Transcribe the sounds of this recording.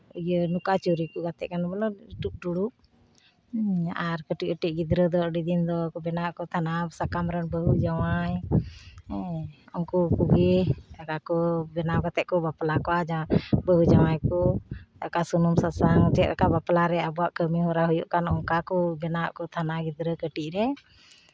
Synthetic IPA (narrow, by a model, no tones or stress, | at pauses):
ujənukat͡ʃuɾikɔɡat̪ɛʔ̚kanbɛlɔʈuk̚ɖuɽuʔ̚ | aɾkəʈik̚əʈiʔ̚ˀɡid̪ɾəd̪ɔəɖid̪ind̪ɔbɛnaʔkɔt̪ʰanasakamɾənbəɦud͡ʒawaj | ɔŋkukuɡeakakɔbɛnakat̪ɛʔ̚kɔbaplakɔʔad͡ʒabəɦud͡ʒawajkɔakasunumsasaŋt͡ʃɛt̪̚ɾakabaplaɾɛabɔaʔkəmiɦɔɾaɦujuʔkanɔŋkakɔbɛnaʔkɔt̪ʰanaɡid̪ɾəkəʈiʔ̚ɾɛ